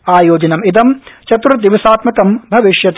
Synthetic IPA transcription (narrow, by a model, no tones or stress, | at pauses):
aːjoːd͡ʒɐnɐmid̪ɐmt͡ʃɐt̪ɾut̪ːiʋisaːt̪mɐkɐmbʱɐʋiʃjɐt̪